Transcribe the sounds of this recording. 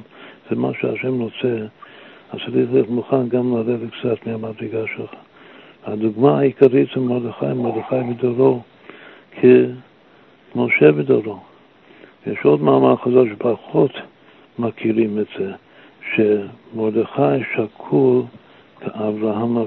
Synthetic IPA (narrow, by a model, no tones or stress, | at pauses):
z̥ɛma̰ʃeaʃɛmɾot͡sɛ | asalitletmuχanɡamlaɾedtkt͡sat̪meamad̪ɾeɡaʃelxḁ | aduɡmaːikaɾitemod̪əxa̰jmod̪əχajbədoɾo | kʰe | moʃebədoɾo | jɛ̰ʃod̪maːmaɾχazaʃepaχot̪ | makʰiɾimɛtz̥e | ʃemod̪eχajʃakʰul | kaʔavɾaɦama